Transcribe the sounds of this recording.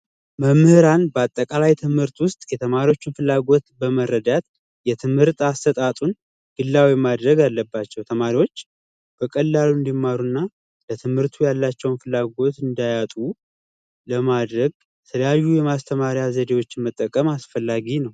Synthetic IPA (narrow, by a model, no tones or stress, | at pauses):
məmːhɨɾanbəat̪ʼːəkʼalajt̪ʰɨmhɨɾt̪wʊst̪ʼjɛt̪ʰəmaɾiwo̞t͡ʃːɪnfɨlːaɡo̞t̪bəmərːəd̪at̪̚ | jɛt̪ʰɨmhɨɾt̪ʼast̪ʰət̪ʼat̪ʼun | ɡ̥ɨlːawimad̪ɾəɡalːəbːat͡ʃːɛwt̪ʰəmaɾiwo̞t͡ʃː | b̥əkʼəlːaluɨnd̪imːaɾunːa | lət̪ʰɨmhɨɾt̪ʰujalːat͡ʃːɛwnfɨlːaɡo̞t̪ɨnd̪ajat̪ʼu | ləmad̪ɾəɡ̚ | jɛt̪ʰələjajːujɛmast̪ʰəmaɾjjazəd̪ewo̞t͡ʃːɪnmət̪ʼːəkʼːəmasfəlːaɡinəw